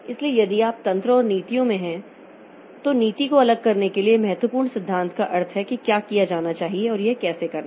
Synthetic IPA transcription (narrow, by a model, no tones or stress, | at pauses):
ɪsliejɐd̪iaːp̚t̪ɐ̃nt̪ɾəɔːɾniːt̪ijõmẽɦɛ̃ | t̪oniːt̪ikoɐləɡ̚kɐɾnekeliemɐɦɛt̪wəpuːɾɳsɪd̪ʱːãːnt̪kaʔɐɾt̪ʰɦɛkikjaːkijad͡ʒaːnat͡ʃaːɦieɔːɾjekɛːsekɐɾna